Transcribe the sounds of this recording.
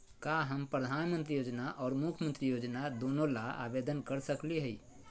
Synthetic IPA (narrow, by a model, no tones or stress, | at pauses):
kaɦəmpɾəd̪ʱaːnmə̃nt̪ɾijoːd͡ʒnaʔɔːɾmukʰmənt̪ɾijoːd͡ʒnad̪oːnolaa̰bed̪ənkəɾsəkliɦəi